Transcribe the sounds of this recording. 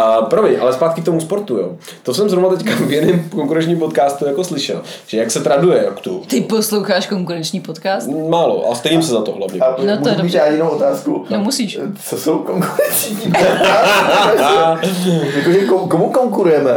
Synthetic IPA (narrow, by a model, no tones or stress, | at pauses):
pɾovmɪɲʔa̰lɛspaːt̪kɪkt̪omuspo̞ɾt̪ujo̰ː | t̪osɛmzɾonat̪ɛckavjɛdɛmkoŋkuɾɛnt͡ʃɲiːmpot̪kaːst̪ujako̞slɪʃɛ̰l | ʒ̥ɛjaksɛt̪ɾandujɛjakt̪ut̪ɪposlowxaːʃkoŋkuɾɛnt͡ʃɲiːpot̪kaːst̪maːlo̰ʔa̰st̪ɛʒims̬ɛzat̪o̰ɦla̰vɲɛ̰at̪nomudmiːt̪naːɪnowot̪aːskunomusiːʃt͡sosowkoŋkuɾɛnt͡sɲi | jakoʒɛkokomukoŋkuɾujɛmɛ